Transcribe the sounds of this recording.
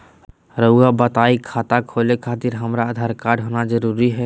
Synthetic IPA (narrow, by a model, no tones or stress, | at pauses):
ɾəabɐt̪aːikʰaːt̪akʰoːlekʰaːt̪ɪɾɦɐmɾaːd̪ʱaːɾkaːɾɖɦoːnazəɾuːɾiɦɛː